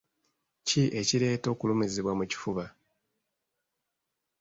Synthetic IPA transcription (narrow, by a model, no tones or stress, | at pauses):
ciʔe̞ciɾe̞ːto̞ːkulomezeβwamuci̥fuβa